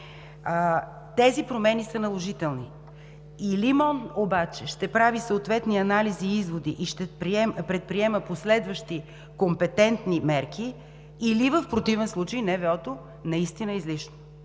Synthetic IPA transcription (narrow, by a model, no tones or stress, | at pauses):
t̪ɛzipɾomɛnisənɐlˠoʒit̪ɛlˠni | ilimɔnobat͡ʃɛʃt̪ɛpɾavisoot̪vɛt̪niɐnaliziizvod̪iʔiʃt̪ɛpɾɛpɾɛt̪̚pɾiɛməposlɛd̪vəʃt̪i | kompɛt̪ɛnt̪nimɛɾkʰiː | livəfpɾot̪ivɛnslˠut͡ʃəjnɛvɛɔt̪o | nɐist̪inəizliʃno̥